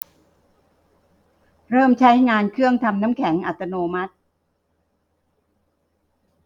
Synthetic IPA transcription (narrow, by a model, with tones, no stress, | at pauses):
ɾɤː˥˩mt͡ɕʰa˦˥jŋaː˧nkʰɯ˥˩əŋt̪ʰa˧mna˦˥mkʰɛ˩˦ŋʔa˨˩t̪ʰːa˧noː˧ma˦˥t̪̚